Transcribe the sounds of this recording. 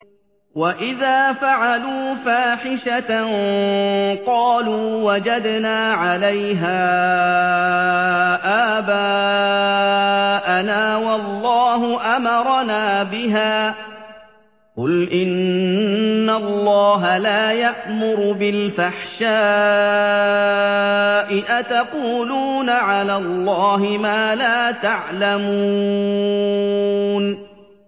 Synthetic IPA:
waʔɪðaːfaʕaluːfaːħɪʃat | qɑːluːwad͡ʒad̪naːʕalajɦaː | ʔaːbaː | ʔanaːwɑlːɑːɦʊʔamɑɾˤɑnaːbɪɦaː | qʊlʔɪnː | alˤːɑːɦalaːjaʔmʊɾʊbɪlfaħʃaː | ʔɪʔat̪aquːluːnaʕalaːlˤːɑːɦɪmaːlaːt̪aʕlamuu | n

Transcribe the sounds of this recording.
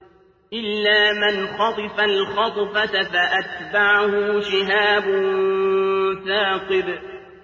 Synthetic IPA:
ʔɪlːaːmɪnxɑt̪ˤɨfalxɑt̪ˤfat̪afaʔat̪baʕahʊʃɪɦaːbʊ | θaːqɨd

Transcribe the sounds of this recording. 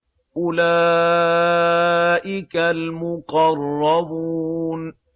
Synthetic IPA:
ʔʊla | ʔɪkalmʊqɑrˤːɑbuːn

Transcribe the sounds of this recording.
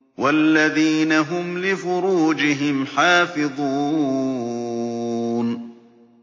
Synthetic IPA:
walːaðiːnaɦʊmlɪfʊɾuːd͡ʒɪɦɪmħaːfɪðˤuː | n

